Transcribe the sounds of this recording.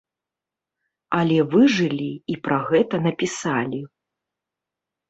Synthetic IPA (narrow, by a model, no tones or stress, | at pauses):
ɐlʲɛvɨʐɨlʲiipɾɐɣɛt̪ɐnɐpʲisalʲi